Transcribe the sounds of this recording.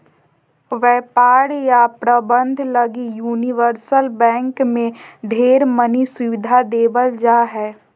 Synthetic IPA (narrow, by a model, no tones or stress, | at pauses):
ʋɛːpaːɽjapɾəbə̃nd̪ʱləɡijuːniʋəɾsəlbɛ̃ːŋkmẽɖʱeːɾməniswʊʋɪd̪ʱad̪eːʋəld͡ʒaːɦɛː